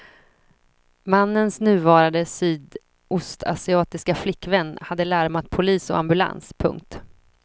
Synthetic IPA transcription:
manːənsnʉ̟ːvɑːɾand̪əsyːd̪ | ʊst̪ʰa̰sɪɑːt̪ɪskaflɪkːvɛnːhad̪ːəlæɾmat̪̚pʰʊliːsɔ̰a̰mbɵla̰nspʰɵ̰ŋk̚t̪

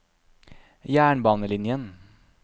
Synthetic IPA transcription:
jæːɳbɑːnəlɪnjən

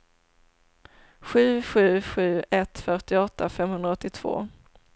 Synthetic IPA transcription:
ɧʉ̟ːɧʉ̟ːɧʉ̟ːɛt̪fœʈɪɔt̪ʰːafɛmhɵnd̪ɾaɔt̪ːɪt̪ʰv̥o̰ː

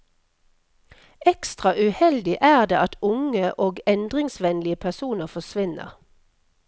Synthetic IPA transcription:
ɛkst̪ʁɑʔʉhɛld̪ɪʔæːʁd̪eːɑt̪ʰʊŋəʔoːɡɛnd̪ʁɪŋsʋɛnlɪəpʰæsuːnəfɔsʋɪnə̰ʁ

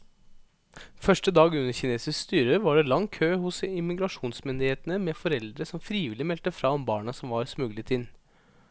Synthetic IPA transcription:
fœʂʈəd̪ɑːɡʉnːəɾçɪneːsɪskst̪yːɾəʋɑɖɛlɑŋkʰøːhʊsɪmɪɡɾɑʂuːnsmɪnd̪ɪheːt̪ənəmɛfɔɾɛld̪ɾəsɔmfɾiːʋɪlɪmɛlt̪əfɾɑːɔmbɑːɳɑsɔmʋɑɾsmʉɡlɪt̪ʰɪn

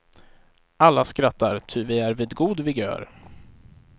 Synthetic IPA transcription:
alːaskɾat̪ːaɾt̪ʰʏvɪæɾvɪːd̪ɡuːd̪vɪɡø̰ːɾ

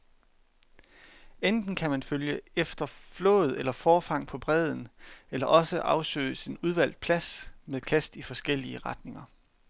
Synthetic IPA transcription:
end̥n̩kʰæmænføljəefd̥ɐflɔ̰̽ːð̞̩ˠelɐfɒːfɑ̈ŋ̰pʰɒ̽b̥ʁɛð̞ˠn̩elɐʔɒ̽səʔɑ̈ʊsø̰ːɪsinuð̞ˠʋæl̰d̥̚pʰlæsmeðˠkʰæsd̥ifɒ̽sɡ̥el̰iəʁɑ̈d̥ne̝ŋɐ

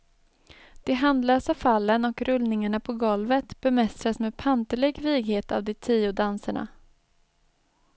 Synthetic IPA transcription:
d̪̥ɛɦand̪lœːsafalːənɔkɾɵlnɪŋaɳapʰɔɡɔlvət̪b̥ɛmɛst̪ɾasmeːd̪̚pʰant̪əɭɛɡviːɡheːt̪a̰vd̪ɛt̪ʰiːʊd̪ansaɳa̰

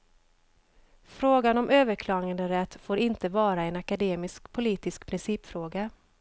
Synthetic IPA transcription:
fɾoːɡanɔmʔøːvəɾkʰlɑːɡand̪əɾɛt̪ːfoːɾɪnt̪əvɑːɾaɛnakad̪eːmɪskpʰʊliːt̪ɪskpʰɾɪnsiːpfɾoːɡa

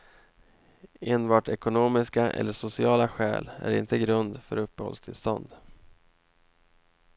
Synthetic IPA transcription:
eːnbɑːʈɛkʊnoːmɪskaʔɛ̰lːəʂʊsɪɑːlaɧɛ̰ːlæ̰ɾɪ̰nt̪əɡɾɵnd̪fœɾɵpːɛhɔ̰lst̪ʰɪlst̪ɔnd̪

